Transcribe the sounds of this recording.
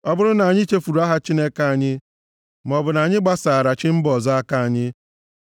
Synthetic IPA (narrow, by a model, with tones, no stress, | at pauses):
ɔ˦bʊ˦ɾʊ˦na˨ɲɪ˦t͡ʃe˦fu˨ɾu˨˦a˦ɦa˦t͡ʃi˦ne˦ka˦˨a˨ɲɪ˦ | m˨ɔ˨bʊ˨na˨ɲɪ˦ɡ͡ba˦saː˨ɾa˨t͡ʃɪ˦m̩˦bɔ˨zɔ˦a˦ka˦a˨ɲɪ˦